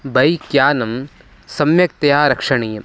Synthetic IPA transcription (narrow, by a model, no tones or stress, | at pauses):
bʱɐjkjaːnɐm | sɐmjɐk̚t̪ɐjaːɾɐkʂɐɳiːɐm